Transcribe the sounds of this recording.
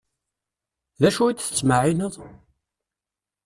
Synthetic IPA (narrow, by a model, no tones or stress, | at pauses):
ðæʃuid̪θə̥t͡sːməʕinəðˤ